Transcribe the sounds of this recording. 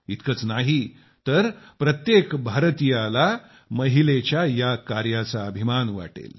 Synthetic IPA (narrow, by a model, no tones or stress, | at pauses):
it̪kət͡snaɦi | t̪əɾpɾət̪jekbʱaɾt̪ijala | məɦilet͡ɕjajakaɾjat͡saəbʱimanʋa̰ʈḛl